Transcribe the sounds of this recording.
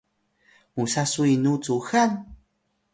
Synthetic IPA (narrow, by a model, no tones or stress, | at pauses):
musasuinut͡suxan